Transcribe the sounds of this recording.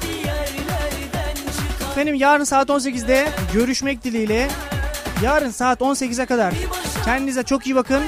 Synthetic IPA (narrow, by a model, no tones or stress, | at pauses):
fenimjaːɾɯnsaːt̪o̞ns̬e̞cizd̪ɛɟø̞ɾyʃmɛc̚d̪ilʲijlʲɛ | jaːɾɯnsaːt̪o̞nsecizɛkad̪aɾ̥cʰɛnd̪inizɛt͡ʃʰo̞kijibakʰɯn